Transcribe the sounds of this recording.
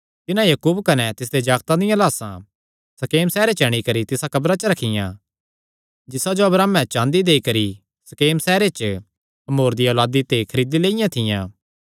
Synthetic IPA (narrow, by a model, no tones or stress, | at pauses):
t̪ɪnãjɐːkuːbkɐnɛt̪ɪs̬d̪ed͡ʒaːɡt̪ãd̪ɪjãlaːsã̰ | sɐkeːmsɛːɾet͡ʃɐɽ̃ikɐɾit̪ɪsakɐbɾãt͡ʃəɾɐkʰɪjã̰ː | d͡ʒɪsad͡ʒoɐbɾaːmɛ̃t͡ʃãːnd̪id̪eːikɐɾi | sɐkeːmsɛːɾet͡ʃə | ɐmoːɾd̪ioːlaːd̪it̪ekʰɐɾiːd̪ileːɪjãt̪ʰɪjã̰ː